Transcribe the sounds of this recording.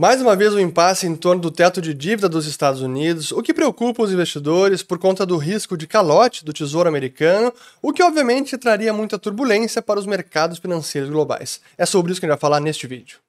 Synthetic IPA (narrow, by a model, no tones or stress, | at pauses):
majzũmɐvezʊĩmpasɪẽt̪oɾnʊd̪ʊt̪ɛt̪ʊd͡ʒɪd͡ʒivid̪ɐd̪ʊzɪst̪ad̪ʊzunid̪ʊzʊkɪpɾeokupɐʊzĩvest͡ʃid̪oɾɪspoɾkõnt̪ɐd̪ʊɦiskʊd͡ʒɪkalɔt͡ʃɪ̥d̪ʊt͡ʃizoɾʊameɾikɐ̃nʊ | ʊkɪɔbviɐmẽnt͡ʃɪt̪ɾaɾiɐmũj̃t̪ɐt̪uɾbulẽsjɐpaɾɐʊzmeɾkad̪ʊsfinɐ̃sejɾʊzɡloba̰js | ɛsobɾɪisʊkẽd͡ʒafalanest͡ʃɪvid͡ʒʊ